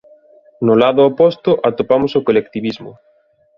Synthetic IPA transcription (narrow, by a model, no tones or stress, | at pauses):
nʊlaðʊopɔst̪ʊʔat̪opamosokolekt̪iβizmʊ̰